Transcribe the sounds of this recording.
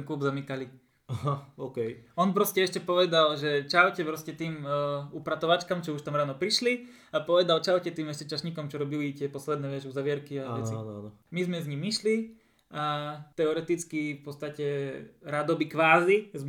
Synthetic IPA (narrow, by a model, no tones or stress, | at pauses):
nkuːbzamikali | aɦaokɛjɔnpɾɔscɛɛʃcɛpɔʋɛd̪alʒɛt͡ʃawcɛpɾɔscɛt̪iːmupɾat̪ɔʋat͡ʃkamt͡ʃɔuʃt̪amɾaːnɔpɾiʃli | apɔʋɛd̪alt͡ʃaʊcɛt̪iːmɛʃcɛt͡ʃaʃɲikɔmt͡ʃɔɾɔbilit̪ɪɛpɔslɛd̪nɛːʋɛʒuzaʋɪɛɾkiaaɛt͡siananɔ | mizmɛzɲimiʃli | at̪ɛɔɾɛt̪it͡skifpɔt̪st̪acɛɾad̪ɔbikʋaːziz